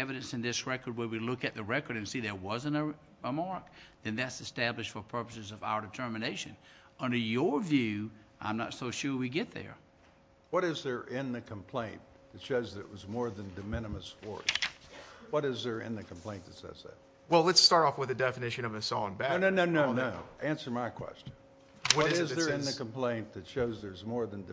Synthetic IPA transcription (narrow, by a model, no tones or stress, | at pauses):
ɛvɨɾɨ̃nsɨ̃nðɪsɹɛkə˞d̚wə˞wilʊkɨt̪̚ðɨɹɛkə˞ɾɨ̃nsiðə˞wʌzɨ̃nɨ | ɪmɑɹk̚ðɨ̃nðætsɨstæblɨʃtfə˞pʰɜ˞pəsɨzʌvaʊə˞dɨtʰɜ˞mɨneɪʃɨ̰̃n | ʌ̃ndə˞jə˞vjʉʔã̰ɪ̃mnətsoʊʃʊɹwiɡɛt̪̚ðə̰˞ | wʌɾɨzðə˞ʔɪ̃nðɨkʰə̃m̩pʰl̥ẽɪ̃n | ðɨtʃoʊzðɨɾɨ̰ʔwʌzmɔɹðɨ̃ndɨmɪnɨməswɔ̰ɹs | wʌɾɨzðə˞ɪ̰̃nðɨkʰm̩pʰl̥ẽɪ̃ntʰɨtsɛ̰zɨ̰t̚ | wɛlˠlətstɑɹɾɔfwəðɨdɛfɨnɪʃɨ̃nʌvɨsɔ̃nbænoʊnoʊnoʊnoʊʔæ̃nsə˞maɪkʰw̥ɛ̰st͡ʃɨ̃n | wʌɾzɪzðə˞ɨ̃nðɨkə̃m̩pʰl̥ẽɪ̃ntʰɨtʃoʊzðə˞zmɔɹðɨ̃nd